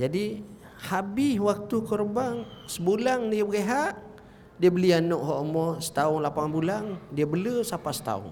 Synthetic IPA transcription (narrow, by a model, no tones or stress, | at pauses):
d͡ʒadi | habɪwak̚t̪ukɔrbaŋsəbulaŋdiəbəɡeɦaʔ | diəbəlianɔʔɦɔʔomɔsə̥t̪aʊŋlapaŋbulaŋdiəbələsapasə̥t̪a̰ʊ̰ŋ